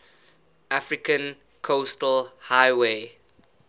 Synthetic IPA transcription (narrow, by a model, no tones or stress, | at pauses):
ʔafɹikə̃n | kʰostəlhajweː